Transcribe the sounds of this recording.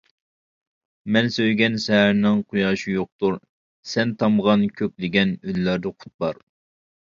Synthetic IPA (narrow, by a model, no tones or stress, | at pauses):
mɛnsøjɡʲɛnʃɛɦæɾnɪŋqʰujɑːʃijoq̚t̪uɾ | sɛnt̪ʰɑmʁɑnkʲʰøkʲlɪɡʲɛnylːæɾd̪ɛqʰʊ̥t̪̚bɑɾ